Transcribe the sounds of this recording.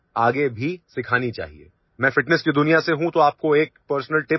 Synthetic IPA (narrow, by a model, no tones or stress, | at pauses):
aːɡebʱisɪkʰaːnit͡ʃa̰ːɦḭḛː | mɛ̃ːfɪʈnəskid̪ʊnijaseɦũt̪oaːp̚koeːk̚pəɾsnəlʈɪ